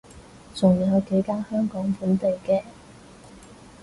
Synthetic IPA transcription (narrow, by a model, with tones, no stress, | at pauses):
t͡sʰʊ˨˩ŋjiː˨˩hɐ˨˧wke˨˧jkaː˥hœː˥ŋkɔː˨˥ŋfuː˨˥nt̪e˨jkɛː˧